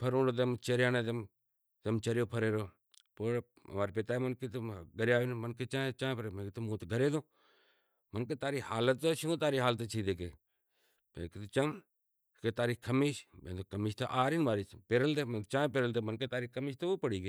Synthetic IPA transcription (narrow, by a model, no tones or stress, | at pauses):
pʰəɾõːɳɖoːt̪̬emt͡ʃeɾjaːneːt̪em | t̪emt͡ʃəɾjoːpʰəɾeːɾoː | po̰ː | maːɾepet̪aːemənket̪ːɡəɾjaːʋiːnmənket͡ʃãːet͡ʃãːpəɾeːmẽːket̪omũːt̪ɡʱəɾeːd̪õː | mənkeːt̪aːɾiːhaːlət̪ːoʃuõt̪aːɾiːɦaːlət̪ːt͡ʃʰiːd̪eːkeː | mḛːket̪ːt͡ʃəm | keːt̪aːɾiːkʰəmiːʃmḛ̃nd̪okəmiːʃt̪aʔaːɾinʋaːɾiːpeːɾəlt̪eːmt͡ʃãːpeːɾəlt̪eːmənkeːt̪aːɾiːkəmiːʃt̪ouːpəɽiːɡeː